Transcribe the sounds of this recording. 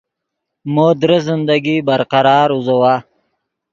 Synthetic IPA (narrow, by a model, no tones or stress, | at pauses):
mod̪ɾəzɪnd̪aɡibaɾqaɾɑːɾuzawaː